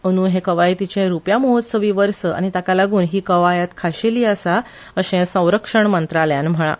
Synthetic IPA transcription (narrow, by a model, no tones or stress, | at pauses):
əñuːɦekəʋajt̪it͡ɕẽɾupjamoɦot̪səʋiːʋəɾsəʔa̰ɽ̃it̪akalaɡuːnɦiːkəʋajat̪kʰaɕeliːəsa | əɕẽsə̃w̃ɾəkʂəɳmənt̪ɾaljanm̤əɭa̰